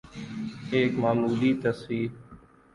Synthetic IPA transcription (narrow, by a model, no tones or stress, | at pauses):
eːkmaːmuːliːt̪əsiː